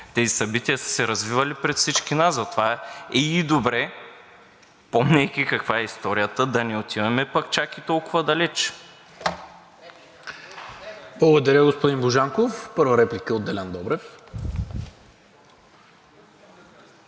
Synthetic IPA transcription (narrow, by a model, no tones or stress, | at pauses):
t̪ɛzisɐbit̪iɐsə̥sɛɾɐzvivɐlipɾɛt̪fsit͡ʃkinaszɐt̪ovaiːd̪obɾɛ | pɔmnɛjk̟ʲikɐkvaɛist̪ɔɾijət̪əd̪ɐnɛot̪ivɐmɛpɐkt͡ʃakit̪ɔlˠkʊvɐd̪ɐlɛt͡ʃ | blˠɐɡʊd̪ɐɾʲəɡospʊd̪inboʒaŋkofpɤɾvɐɾɛplikəod̪ɛlʲand̪ɔbɾɛf